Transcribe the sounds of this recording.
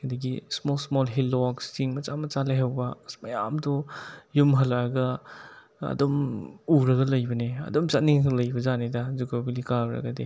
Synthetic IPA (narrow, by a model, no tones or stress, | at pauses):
kʰadɐɡismolsmolɦilːɔkstiŋmɐt͡ʃamɐt͡ʃalajɦawbɐmɐja̰mdɔjumɦɐlaɾɡɐ | ɐ̰domuɾɐɡɐlɐjbɐneɐ̰domt͡ʃaniŋɐlɐjbɐzanedɐzukobilikabɾɐ̰ɡɐde